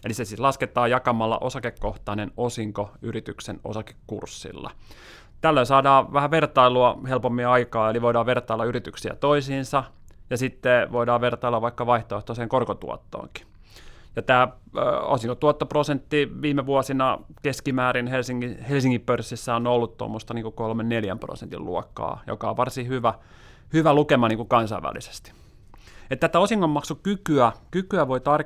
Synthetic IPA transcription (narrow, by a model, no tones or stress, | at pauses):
elisesit̪lɑsket̪ˑɑːjɑkɑmɑlːɑ̰ʔosɑkekːoht̪ɑinenosiŋkoyrit̪ykseno̰sɑke̥kːṵrsːḭlːɑ̰ | t̪ælːoisɑːdɑːʋæhæʋert̪ɑiluɑhelpomːiɑɑikɑːeliʋoidɑːʋert̪ɑilːɑyrit̪yksiæ̰t̪oisiːnsɑjɑsit̪ːeʋoidɑːʋʋert̪ɑilːɑʋʋɑikːɑʋɑiht̪oeht̪oseːŋkorkot̪ṵɔ̰t̪ːo̰ːŋki̥ | jɑt̪æː | o̰siŋkot̪uɔt̪ːoprosent̪ːiʋiːmeʋuɔsinɑkeskimæːɾinhelsiŋːihelsiŋkippørsːisːæonolːut̪t̪o̰mːost̪ɑniːŋkukolmenneljæ̰mpro̰sent̪ḭlṵɔkːɑ̰ːjo̰kɑo̰ʋɑrsihyʋæ | hyʋælukemɑniːŋkukɑnsɑiʋæ̰lːˑḭse̥st̪i̥ | et̪ːæt̪ːæosiŋkomːɑksukykyækykyæʋoit̪ɑr